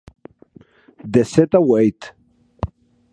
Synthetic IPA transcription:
d̪eset̪awejt̪

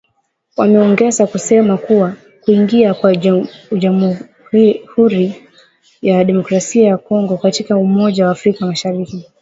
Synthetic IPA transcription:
wamɛɔŋɡɛzakusɛmakuwa | kuiŋɡiakwaʄam | huɾi | jaɗɛmɔkɾasiajakɔŋɡɔkatikaumɔʄawaːfɾikamaʃaɾiki

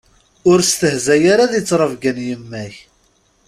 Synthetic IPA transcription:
ʊɾst̪əhzæjaɾaðjət͡sːɾˤəvɡənjəmːæç

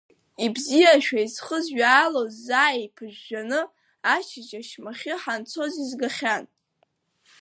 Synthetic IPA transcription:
ibzijaʃᶣaizχəzɥaːlozːaːjepʰɨʒᶣːanɨ | at͡ʃʰɪd͡ʒaʃmaχʲɪħant͡sʰo̞zizɡaχʲan

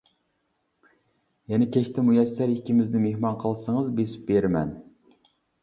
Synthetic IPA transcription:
jɛnɪkʲʰɛʃt̪ʰɪmujɛsæɾikʲːimɪznɪmehmɑnqʰəlˠsəŋəzbesɪ̥p̚beɾmɛ̰n

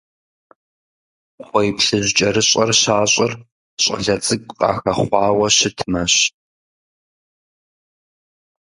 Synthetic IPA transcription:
χʷɔjpɬɨʑʷt͡ʃʼɐɾɨɕʼɐrɕaːɕʼɪr | ɕʼɐ̰ɮɐt͡sʼɨɡʷʼqʼɑ̰ːxɐχʷɑːwɐɕɪtʰɨmɐɕ

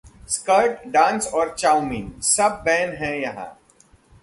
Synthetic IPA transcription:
skəɾʈɖãːnsɔːɾt͡ʃaːʊmiːnsɐb̚ːɛːnɦɛ̃jɐɦã̰ː

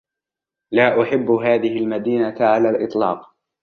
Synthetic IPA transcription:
laːʔʊħɪbːɦaːðɪɦɪlmad̪iːnaʕalaːlʔɨt̪ˤlɑ̰ːq

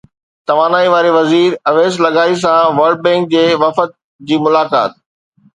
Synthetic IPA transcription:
t̪ɐʋaːnaːiʋaːɾeʋɐziːɾɐʋeːzlɐɡaːis̬ãʋɐɾɖ̚bɛ̃ːŋk̚d͡ʑeːʋɐfət̪̚ | d͡ʑiːmʊlaːka̰ːt̪̚

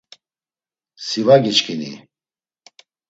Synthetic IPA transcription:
sivaɡit͡ʃkʰinḭ

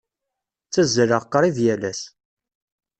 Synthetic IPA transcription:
t͡sːæzːəɾəʁqːɾˤiðjælæs

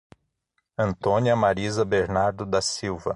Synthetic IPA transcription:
ɐ̃nt̪õniɐmaɾizɐbeɾnaɾd̪ʊd̪asiwvɐ

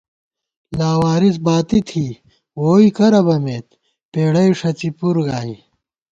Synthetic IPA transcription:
laːwaːɾis̬baːt̪it̪ʰiː | woːikɐɾɐbɐmeːt̪ | peːɽɐjʂɐt͡sipuɾɡaːi

